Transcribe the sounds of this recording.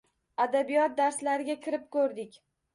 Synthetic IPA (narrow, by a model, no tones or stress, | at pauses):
ad̪abijɒt̪̚d̪aɾslaɾɪɡʲakʲʰɪɾɪp̚kʰɵɾd̪ɪkʲ